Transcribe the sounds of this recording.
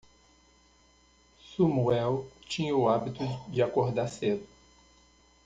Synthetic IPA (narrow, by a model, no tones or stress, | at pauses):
sumuɛwt͡ʃĩɲɐʊabit̪ʊd͡ʒɪakoɾd̪ased̪ʊ